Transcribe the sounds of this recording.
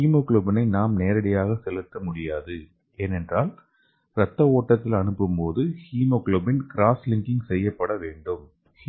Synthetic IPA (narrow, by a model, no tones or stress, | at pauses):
iːmoːkloːbɪnɐɪnaːmneːɾɐɽɐjaːɣɐsɛlɯt̪ːɐmʊɽɪjaːðɯ | ʔeːnɛndraːl | ɾɐt̪ːɐoːʈːɐt̪ːɪlɐnɯpːɯmpoːðɯhiːmoːkloːbɪnkɪɾaːslɪŋkɪŋɡsɛjːɐpːɐɽɐʋeːɳɖɯm